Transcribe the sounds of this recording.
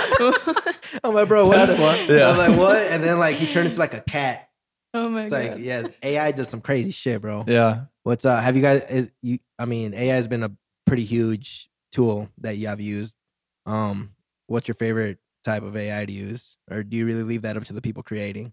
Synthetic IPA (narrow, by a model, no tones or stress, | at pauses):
oʊmaɪbɹoʊwʌlʌjælaɪkwʌt̚ɨ̃nðɨ̃nlaɪkhitʰɜ̃˞nɪ̃ntʰulaɪkɨkʰæt̚ | oʊmaɪslaɪkkjæeɪaɪdʌz̥sʌ̃mkʰɹ̥eɪziʃɪt̚b̥ɹoʊjæ | wʌtsʌɨvjɨɡaɪzɪjɨ | aɪmĩneɪaɪzbɨ̃nə | pʰɹ̥ɪɾihjʉd̥ʒ̥ | tʰulˠðɨt͡ʃɨəvjʉzd̥̚ | ʔʌ̃m | wʌtsjə˞feɪvə˞ɨt̚ʰaɪpʌveɪaɪɾɨjʉz̥ʔə˞dɨjɨɹɪlˠilivðɨɾʌp̚tʰɨðɨpʰipl̩ˠkʰɹ̥ieɪɾɪ̃ŋ